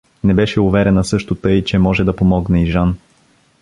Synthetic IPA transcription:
nɛbɛʃɛʊvɛɾɛnəsɤʃt̪ʊt̪ɤjt͡ʃɛmɔʒɛd̪ɐpomɔɡnɛiʒan

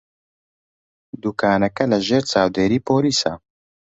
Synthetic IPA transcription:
d̪uːkʰaːnɛkɛlɐʒeːɾt͡ʃaːwd̪eːɾiːpʰoːliːsa̰

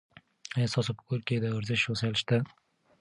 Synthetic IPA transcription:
est̪ɑsopə̥koɾked̪əaɾzɪʃhosɑɑlʃt̪a

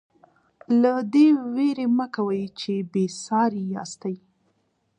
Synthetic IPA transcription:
lad̪eweɾeməkawəjt͡ʃebesɑɾijɑ̰st̪aj

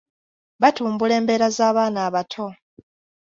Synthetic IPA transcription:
βatuːmbule̞ːmbe̞ːɾazaːβaːnaːβatʰo̞

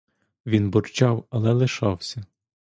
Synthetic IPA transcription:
ʋʲinbɔrt͡ʃɑwɐlˠɛlˠɪʃɑwsʲɐ

